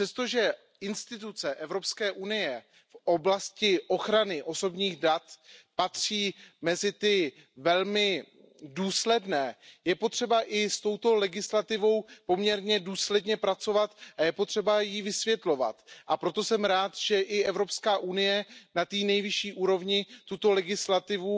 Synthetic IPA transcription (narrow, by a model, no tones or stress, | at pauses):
rɛst̪o̞ʒɛ | ɪnst̪ɪt̪̬ut͡sɛʔɛvɾo̞pskɛːʔunɪjɛ | fʔo̞blascɪʔo̞xɾanɪʔo̞so̞bɲiːɣdat̪pat̪r̥iːmɛzɪt̪ɪ | vɛlmɪ | duːslɛdnɛːjɛpo̞t̪r̥ɛbaʔɪst̪o̞wt̪o̞lɛɡɪslat̪ɪvo̞wpo̞mɲɛɾɲɛduːslɛdɲɛpɾat͡so̞vat̪ʔajɛpo̞t̪r̝̥ɛbajivɪsvjɛt̪lo̞va̰t̪ʔapɾo̞t̪osɛmɾaːt̪ʒ̥ɛʔɪʔɛvɾo̞pskaːʔunɪjɛnat̪iːnɛjvɪʃiːʔuːɾo̞vɲɪt̪ut̪o̞lɛɡɪslat̪ɪvu